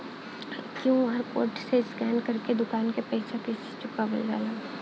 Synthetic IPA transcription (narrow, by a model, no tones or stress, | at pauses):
kjũːɦɐɾko̰ːɾʈseskɛːnkɐɾked̪ʊkaːnkepɛːsakeːsɪ̥t͡ʃʊkabɐ̰lɡa̰ːlaː